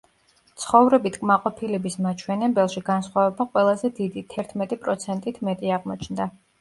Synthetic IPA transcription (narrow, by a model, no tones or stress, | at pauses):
t̪sʰχɔvɾɛbit̪ʰkʼmaqʼɔpʰilɛbismat͡ʃʰwɛnɛbɛlˠʃiɡansχwavɛbaqʼwɛlˠazɛd̪id̪it̪ʰɛɾt̪ʰmɛt̪ʼipʼɾɔt̪sʰɛnt̪ʼit̪ʰmɛt̪ʼiaʁmɔt͡ʃʰnd̪a